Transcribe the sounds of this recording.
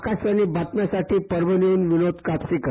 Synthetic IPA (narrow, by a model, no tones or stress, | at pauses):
kasaniːbat̪mjasaʈʰiːpəɾʋəniuːnʋinod̪kap̪sik